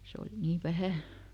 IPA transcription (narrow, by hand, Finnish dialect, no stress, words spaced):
se oli niː ʋæhæˑ